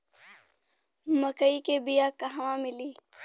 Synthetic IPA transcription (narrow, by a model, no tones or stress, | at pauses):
məkəikebijakɐɦawãmɪliː